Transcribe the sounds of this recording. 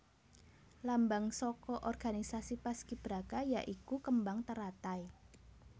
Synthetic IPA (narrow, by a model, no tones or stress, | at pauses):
lambaŋsɔkɔʔɔrɡ̥anisasipaskib̥ɾaɡ̥ajaʔikukəmbaŋt̪əɾat̪aj